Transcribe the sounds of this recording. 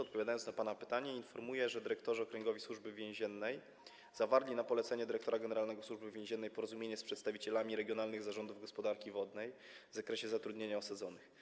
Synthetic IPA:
ɔt̪̚pɔvʲjad̪ajɔnnapanapɘt̪aɲɛinfɔɾmujɛʐɛd̪ɘɾɛkt̪ɔʐɨɔkɾɛŋɡɔvʲiswuʐbɘvʲjɛ̃w̃ʑɛnːɛj | zavaɾlʲinapɔlɛt̪sɛɲɛd̪ɘɾɛkt̪ɔɾaɡɛnɛɾalnɛɡɔswuʐbɘvʲjẽʑɛnːɛjpɔɾɔzumʲjeɲɛspʂɛt̪st̪avʲit͡ɕɛlamʲiɾɛɡʲjɔnalnɘɣzaʐɔnd̪uvɡɔspɔd̪aɾkʲivɔd̪̚nɛj | vzakɾɛɕɛzat̪ɾud̪ɲeɲaɔsad̪zɔnɘx

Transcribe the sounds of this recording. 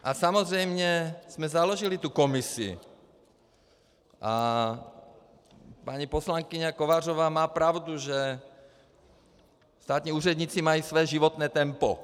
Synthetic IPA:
ʔasamozrɛjmɲɛz̥mɛzaloʒilit̪ukomisḭ | ʔa | paɲiposlaŋkiɲakoʋaːr̝oʋaːmaːpɾawd̪uʒɛ | st̪aːt̪ɲiːuːrɛd̪ɲiːt͡simajiːsʋɛːʒiʋɔt̪nɛːt̪ɛmpɔ̰

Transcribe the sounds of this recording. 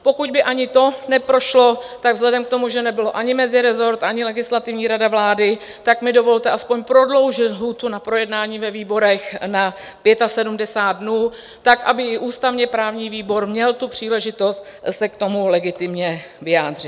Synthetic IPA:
po̞kuɟbɪʔaɲɪt̪o̞nɛpɾo̞ʃlo̞t̪aɡvzlɛdɛmk̚t̪o̞muʒɛnɛbɪloʔaɲɪmɛzɪɾɛzo̞ɾt̪ʔaɲɪlɛɡɪslat̪ɪvɲiːɾadavlaːdɪ | t̪akmɪdo̞vo̞lt̪ɛʔaspo̞ɲpɾo̞dlo̞wʒɪt̪ɦuːt̪unapɾo̞jɛdnaːɲiːvɛviːbo̞ɾɛxna | pjɛt̪asɛdumdɛsaːt̪̚dnuː | t̪akʔa̰bɪɪʔuːst̪avɲɛpɾaːvɲiːviːbo̞ɾmɲɛlt̪upr̝̥iːlɛʒɪt̪o̞st̪sɛkt̪o̞mulɛɡɪt̪ɪmɲɛ | vɪjaːd̪r̝̥ɪt̪̚

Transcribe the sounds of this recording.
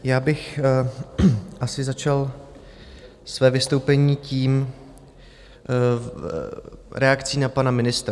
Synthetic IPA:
jaːbɪx | ʔasɪzat͡ʃal | svɛːvɪst̪owpɛɲiːciːm | ɾɛakt͡siːnapanamɪnɪst̪ɾa

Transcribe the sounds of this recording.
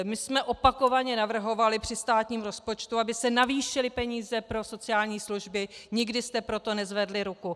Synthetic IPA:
mɪsmɛʔo̞pako̞vaɲɛnavr̩ɦo̞valɪpr̝̥ɪst̪aːt̪ɲiːmɾo̞spo̞t͡ʃt̪uabɪsɛnaviːʃɪlɪpɛɲiːzɛpɾo̞so̞t͡sɪjaːlɲiːsluʒbɪɲɪɡdɪst̪ɛpɾo̞t̪o̞nɛzvɛdlɪɾuku

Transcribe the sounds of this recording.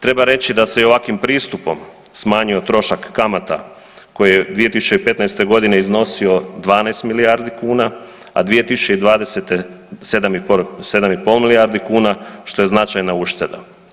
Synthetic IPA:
t̪ɾe̞baɾe̞t͡ɕid̪asejoʋakimpɾiːst̪upo̞̰m | smaːɲio̞t̪ɾo̞ʃakːamat̪a̰ | ko̞jijed̪ʋije̞t̪isu̥t͡ɕe̞ipe̞t̪najst̪e̞ɡo̞d̪ine̞izno̞sio̞d̪ʋaːnajst̪milijaɾd̪ikuːna | a̰d̪ʋije̞t̪isut͡ɕe̞id̪ʋaːd̪eset̪e | sed̪amise̞d̪amipolˠmilijaɾd̪ikuːnaʃt̪o̞je̞znat͡ʃajnauʃt̪e̞d̪a̰

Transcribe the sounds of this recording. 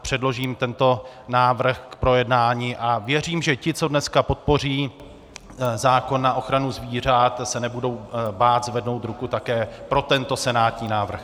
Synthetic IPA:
pr̥ɛdlo̞ʒiːmt̪ɛnt̪o̞naːvr̩xkpɾo̞jɛdnaːɲiːʔavjɛr̝iːmʒɛcɪt͡so̞dnɛskapo̞t̪̚po̞r̝iː | zaːko̞nːaʔo̞xɾanuzviːr̝at̪sɛnɛbudo̞wbaːt̪zvɛdno̞wt̪ɾukut̪akɛːpɾo̞t̪ɛnt̪o̞sɛnaːt̪ɲiːnaːvr̩x

